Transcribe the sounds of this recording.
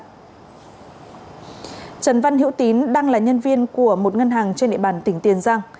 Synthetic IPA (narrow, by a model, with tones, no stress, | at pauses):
t͡ɕə˨˩nva˧nɦḭ˧˥wt̪i˨˦nɗaː˧ŋlaː˨˩ɲə˧nvi˧ənku˧˩əmo˨˩t̚ŋə˧nɦaː˨˩ŋt͡ɕe˧nɗḭ˧˨ɓaː˨˩nt̪ï˧˩ŋ̟t̪i˨˩ənzaː˧ŋ